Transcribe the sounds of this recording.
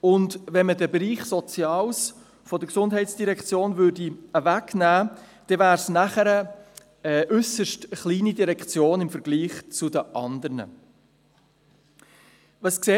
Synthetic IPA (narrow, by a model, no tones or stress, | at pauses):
ʊndvɛnmədəbɾiːχsɔt͡sjɑːls | fɔdəksʊndɦɛɪtsd̥iɾɛkt͡sjoːnvʏːɾdiəvæknæː | d̥ɛvæːɾsnæχəɾə | ɛʔʏsəʃtəχliːnidiɾɛkt͡sjoːnɪmfəɾɡ̥liːχt͡sʊdəʔɑnd̪əɾnə̰ | vɑskseː